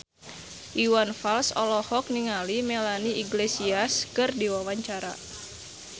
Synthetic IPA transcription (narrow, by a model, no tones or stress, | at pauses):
ʔiwanfalsɔ̰lɔhɔk̚niŋalimelaniiɡlesiaskɨrdiwawaɲt͡ʃaɾa̰